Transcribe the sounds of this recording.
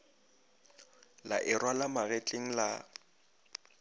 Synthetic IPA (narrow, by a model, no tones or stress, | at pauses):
laʔɪrwalamaɣɛt͡ɬʼeŋ̩la